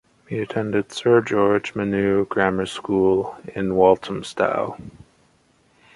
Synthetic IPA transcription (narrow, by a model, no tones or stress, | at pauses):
hiɨtʰɛ̃ndɨd̥sɜ˞d͡ʒɔɹd͡ʒmɨnʉɡ̥ɹæmə˞skulˠɪ̃nwɔlˠtʰm̩sta̰ʊ